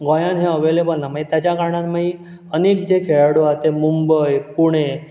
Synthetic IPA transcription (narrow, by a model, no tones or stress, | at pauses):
ɡɔ̃jãnɦẽəʋelebəlnamait̪jat͡ɕjakaɾɳãnmaɦi | ənekd͡ʑekʰeɭaɽoat̪emumbəjpuɳ̃e